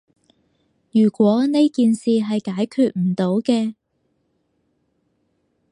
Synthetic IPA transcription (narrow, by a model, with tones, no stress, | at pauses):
jyː˨˩kʷɔː˨˥ne˥jkiː˨˧nsiː˨ɦɐ˨jkaː˨˥jkʰyː˨˧t̚m̩˨˩t̪o˨˥wkɛː˧